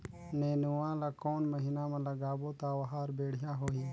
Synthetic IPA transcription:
neːnuwãːlakoːnmɐɦinaːmãlɐɡaːboːt̪aːwɐɦaːɾbeːɽ̤jaːɦoːɦiː

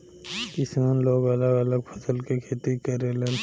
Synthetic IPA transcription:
ɪsmenloːɡɐləɡələɡpʰəsəlkekʰeːt̪ikəɾelen

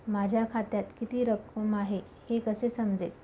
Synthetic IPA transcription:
mad͡ʑʱjakʰat̪jat̪kit̪iːɾəkːəmaɦe | hekəsesəmd͡zet̪

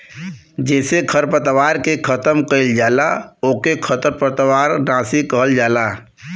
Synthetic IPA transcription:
d͡ʒɛːsekʰəɾpət̪waːɾkekʰət̪əmkəɪld͡ʒaːlaoːkekʰət̪əɾpət̪waːɾnãːsikəɦəld͡ʒaːlaː

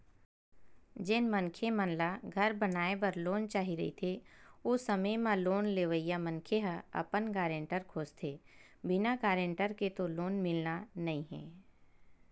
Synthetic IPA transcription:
d͡ʒɪnmə̃nkʰemənlaɡʱɐɾbənaːebəɾloːnt͡ʃaːɦiɾɐ̰ɦḭt̪ʰeʊsəməjmãloːnleːʋəijamə̃nkʰeɦəɐ̰pənɡaːɾẽɳʈəɾkʰoːd͡ʒt̪ʰeː | bɪnakaːɾẽɳʈəɾket̪oloːnmɪlnanɐĩɦɛ̰̃ː

